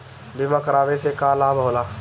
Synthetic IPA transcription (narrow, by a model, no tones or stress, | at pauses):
bɪmakəɾaːʋesekaːlaːbʱɦoːlaː